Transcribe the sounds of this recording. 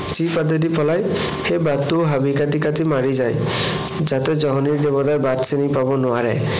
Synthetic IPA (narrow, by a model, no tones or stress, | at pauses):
t͡ʃipad̪edipʰɔlaj | hebat̪ːuɦabikat̪ikat̪imaɾid͡ʒaj | d͡ʒat̪ed͡ʒɔɦɔniɾdebɔd̪ajbat̪senipabɔnɔaɾe